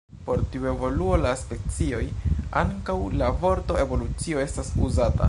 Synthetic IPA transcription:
po̞ɾtiue̞vo̞luo̞laspe̞t͡sio̞jaŋkawlavo̞ɾto̞e̞vo̞lut͡sio̞e̞stasuzata̰

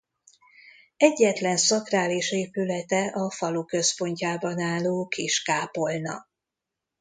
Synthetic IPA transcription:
ɛɟːɛt̪lɛnsɒkraːliʃeːpylɛt̪ɛʔɒfɒlukø̞spo̞ɲcaːbɒnaːlːoːkiʃkaːpo̞lnɒ̰

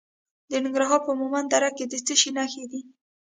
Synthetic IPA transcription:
d̪ənɪŋɡɾaɦɑɾpəmumand̪aɾakkːed̪ət͡səʃinaxed̪i

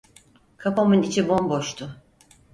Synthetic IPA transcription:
kʰapamɯnit͡ʃʰibo̞mbo̞ʃt̪ʰʊ

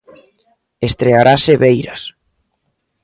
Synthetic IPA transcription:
est̪ɾeaɾaseβejɾas

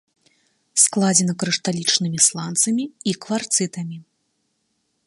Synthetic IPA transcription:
sklˠad͡zʲɛnɐkɾɨʂt̪alʲit͡ʂnɨmʲislˠant̪sɐmʲiikvart̪sɨt̪ɐmʲi

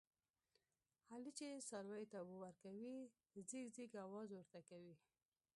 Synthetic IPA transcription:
halit͡ʃesaɾwajt̪awowaɾkawi | ziɡziɡawɑzwəɾt̪akawi

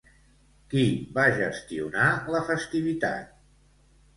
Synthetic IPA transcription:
kiβaʒəst̪iunaləfəst̪iβit̪a̰t̪̚

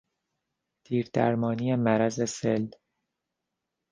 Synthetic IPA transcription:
t̪ʰiːɾd̪̥æ̰ɾmɒːnije̞mæɾæze̞sel

